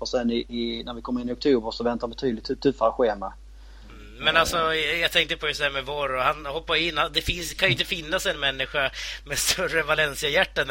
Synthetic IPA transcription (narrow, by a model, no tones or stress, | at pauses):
ɔsɛnɪɪnæɾvɪkʰɔməɾɪnːɪɔk̚t̪ʰuːbəɾʂɔvɛnt̪aɾbɛt̪ʰyːd̪lɪt̪ʰːt̪ʰːʉːfaɾɧeːma | mɛnalsɔjɑt̪ʰɛŋk̚t̪əpʰɔjɵsæːɾmɛvɔɾɔhanhɔpːajɪnːad̪ɛfɪnskʰanjʏɪnt̪əfɪnːasɛnmɛnːɪɧamɛst̪ɵrəvalɛnsɪajæʈːan